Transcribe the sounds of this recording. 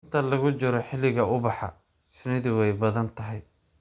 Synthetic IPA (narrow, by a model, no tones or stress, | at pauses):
ɪnt̪ʰɐlɐɣʊt͡ʃɪɾɔħɪlɪɣɐʊbɑħɑ̰ | sɪnɪðɪwɛjbɐðɐnt̪ʰɐɦɛj